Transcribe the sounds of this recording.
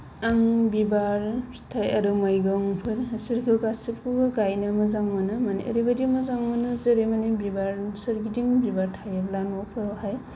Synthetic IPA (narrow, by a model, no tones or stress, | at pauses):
aŋbibaɾ | tʰajɐɾɯmajɡɯŋpʰɯɾsiɾkʰɯkasipkʰuɡaɡajnɯmɯzaŋmɯnɯmaniʔɐ̰ɾibadimɯzaŋmɯnɯzeɾemanebibaɾsɐɾɡidiŋbibaɾtʰajeblanɔpʰɯɾhaj